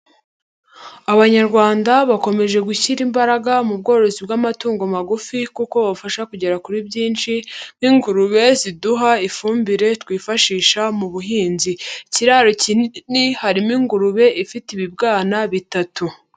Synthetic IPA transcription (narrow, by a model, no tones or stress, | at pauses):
aβaɲaɾɡwaːndaβako̞me̞ʒe̞ɡuçiɾimbaɾaɡamub̚ɡo̞ːɾo̞zibɡamatuːŋɡo̞maɡufikuko̞βaβufaʃakuɟe̞ɾakuɾibɟiːnʃimiŋɡuɾuβe̞ziduɦaifuːmbiɾe̞tkwiːfaʃiːʃamuβuɦiːnziciɾaːɾocinihaɾimiŋɡuɾuβe̞ʔifitiβibɡaːnaβitatu